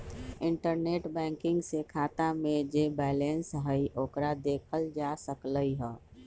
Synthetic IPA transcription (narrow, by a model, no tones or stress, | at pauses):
ɪɳʈəɾneːʈbɛ̃ːŋkɪŋɡsekʰat̪amẽd͡ʒebɛːlensɦəiʔoːkɾad̪eːkʰəld͡ʒasəkləiɦɛː